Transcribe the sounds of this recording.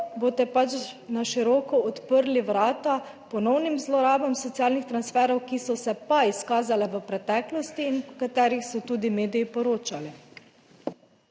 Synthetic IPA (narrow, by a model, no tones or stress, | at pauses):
boːt̪ɛpat͡ʃnaʃiɾɔːkɔɔt̪pəɾliʋɾaːt̪a | pɔnɔwnimzlɔɾaːbamsɔt̪siaːlnixt̪ɾansfɛːɾɔwkisɔsɛpaiskaːzalɛʋəpɾɛt̪ɛːklɔst̪iːnɔkat̪ɛːɾixsɔt̪uːd̪imeːd̪ijipɔɾoːt͡ʃali